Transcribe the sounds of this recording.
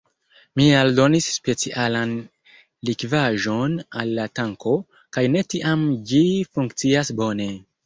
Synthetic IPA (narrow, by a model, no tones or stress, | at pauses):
mialdo̞nisːpe̞t͡siʔalan | likvaʒo̞na̰lːataŋko̞ | kajne̞tiʔamd͡ʒifuŋkt͡siasbo̞ne̞